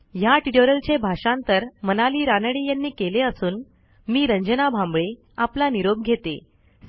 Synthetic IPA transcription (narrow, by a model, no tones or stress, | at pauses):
jaʈiʈoɾəlt͡ɕebʱaʂãnt̪əɾmənaliːɾanɽiːjanːiːkeleəsuːn | miːɾəɲd͡ʑənabʱãmbɭe | aplaniɾob̚ɡʱet̪ḛ